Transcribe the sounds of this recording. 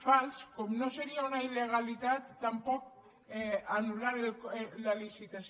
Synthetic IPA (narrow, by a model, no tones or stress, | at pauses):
falskomnoseɾiaunaileɣ̞alit̪at̪ːampɔk̚ | anulaɾelklalisit̪as